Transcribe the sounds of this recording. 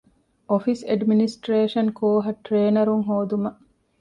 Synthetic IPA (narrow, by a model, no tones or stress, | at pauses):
ofiseɖminisʈɾeːʃɐnkʰoːɦɐʈɾeːnɐɾuŋɦoːd̪umɐʔ